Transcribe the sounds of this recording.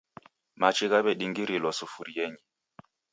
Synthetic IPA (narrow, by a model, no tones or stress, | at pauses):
mat͡ʃiɣabɛɗiŋɡiɾilɔsufuɾiɛɲi